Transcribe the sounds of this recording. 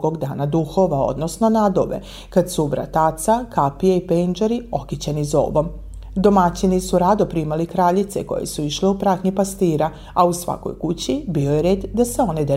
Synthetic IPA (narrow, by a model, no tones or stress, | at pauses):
ɡoɡd̪aːnad̪uxo̞ʋao̰d̪nosno̞nad̪oʋe̞̰ | kad̪suubɾa̰t̪at̪sakapijeipend͡ʒaɾio̞kit͡ɕenizo̰ːʋo̞m | d̪o̞mat͡ɕinisuɾad̪opɾimalikɾaːʎit̪sḛko̞̰jḛsuiʃliupɾat̪ɲipast̪iːɾa | ausʋa̰ko̰jkut͡ɕibiojeɾeːd̪d̪aseo̞ned̪e